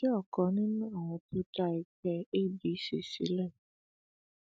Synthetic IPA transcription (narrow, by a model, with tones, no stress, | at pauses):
ɔ˦˨kɔ˨˧˦nĩ˦nũ˦a˦˨w̃ɔ̃˧tu˦da˦˧ɛ˧kɛ˧e˦˨bi˨˦ʃḛ˦˨sḭ˨˦lɛ˦˨